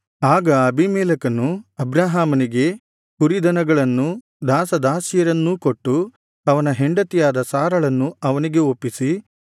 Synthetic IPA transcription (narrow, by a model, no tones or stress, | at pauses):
aːɡɐɐbimɛːlɐkɐnːuɐbɾaːɦaːmɐniɡe̞ | uɾid̪ɐnɐɡɐɭɐnːu | d̪aːsɐd̪aːsjɐɾɐnːukoʈːu | ɐʋɐnɐɦe̞ɳɖɐt̪ijaːd̪ɐsaːɾɐɭɐnːuɐʋɐniɡe̞opːisi